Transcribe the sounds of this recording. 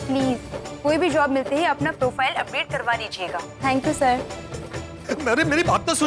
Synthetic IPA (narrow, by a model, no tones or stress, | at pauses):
pliːzkoːibʱid͡ʒɔːbmɪlt̪eɦɛɐpnapɾoːfaːɪlɐpɽeːʈ̚kɐɾʋaːdid͡ʒieːɡaːt̪ʰɛ̃ːŋkjuːsəɾ | ɐɾemeːɾibaːp̚t̪asʊ